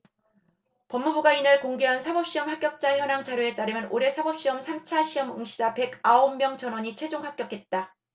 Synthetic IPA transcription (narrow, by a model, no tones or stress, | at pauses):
pʌmːubuɡainɯɭkoŋɡeɦansʰabʌp̚ɕ͈iʌmhak͈jʌk̚t͡ɕ͈açjʌnaŋt͡ɕaɾjoe̞t͈aɾɯmjʌnʔoɾe̞sʰabʌp̚ɕ͈iʌmsʰamt͡ɕʰaɕʰiʌmɯŋɕʰid͡ʑape̞ɡaomːjʌŋt͡ɕʌnwʌɲit͡ɕʰwe̞d͡ʑoŋhak͈jʌk͈ʰe̞t̚t͈a